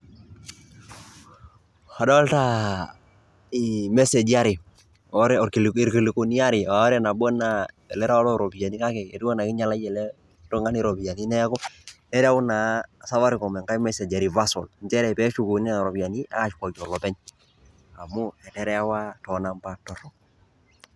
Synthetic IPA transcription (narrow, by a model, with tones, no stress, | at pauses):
a˨dɔ˦lta˦ | imɛ˦se˨d͡ʒi˦a˦ɾi˨ | ɔɾɛɔ˨ɾki˨li˨ɾki˨li˨ku˨ni˦a˦ɾi˨a˨˦ɾɛ˦na˨bɔ˦na˨ | ɛ˨lɛ˦ɾa˦wa˦dɔ˦ɾo˨bi˨a˨ni˦ka˦kɛ˨ɛ˨ti˦wɔ˦na˨kɪ˦ɲa˦la˦d͡ʒɛ˨lɛ˦ | tɔ˦ŋa˦ni˦ɾo˨bi˨ja˨ni˦nɛ˦kɔ˦nɛ˦ɾa˦u˦na˨sa˦va˦ɾi˦kɔ˨mɛ˨ŋka˦i˦mɛ˦se˨d͡ʒa˨ɾi˨va˦sɔ˨lɲt͡ʃɛ˦ɾɛ˨pɛ˦ʃu˦ku˨ni˦a˨ɾɔ˨bi˨a˨ni˦a̰˦ka˦t͡ʃkɔ˨d͡ʒɔ˨lɔ˨pɛ˦ɲ | a˨mu˦ɛ˨tɛ˦ɾɛ˦a˦wa˦tɔ˨na˦mpa˦tɔ˨ɾɔ